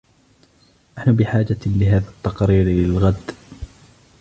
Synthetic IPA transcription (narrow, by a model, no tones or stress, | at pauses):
naħnʊbɪħaːd͡ʒalɪɦaːðat̪ːɑqɾiːɾlɪlɣad̪